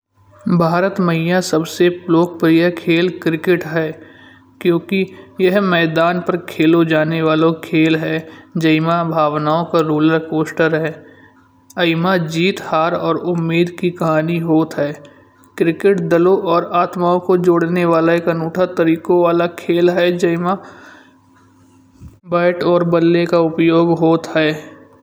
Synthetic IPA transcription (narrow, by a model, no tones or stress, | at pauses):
bʱaːɾət̪mɐɦɪjãsɐbseploːk̚pɾijakʰeːlkɾɪkɪʈɦɛː | kjõːkijɐɦmɛːd̪aːnpɐɾkʰeːlod͡ʒaːneʋaːlõkʰeːlɦɛːd͡ʒɐɪmabʱaːʋnaːõkaɾuːləɾkoːsʈəɾɦɛː | ɐɪmad͡ʒiːt̪haːɾɔːɾʊmːiːd̪kikɐɦaːniɦoːt̪ɦɛː | kɾɪkɪʈd̪ɐloʔɔːɾaːt̪maːõkod͡ʒoːɽneʋaːlaekənuːʈʰat̪ɐɾiːkõʋaːlakʰeːlɦɛd͡ʒɐɪma | baːɪʈɔːɾbəd̪lekaʊpjoːɡɦoːt̪ɦɛː